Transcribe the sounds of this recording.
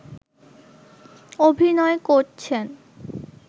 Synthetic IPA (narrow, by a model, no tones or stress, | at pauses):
obʱinɔekoɾt͡ɕʰen